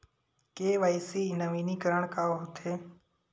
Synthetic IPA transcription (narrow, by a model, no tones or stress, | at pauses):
keːʋaːisiːnəʋiːniːkəɾəɳkaːɦot̪ʰeː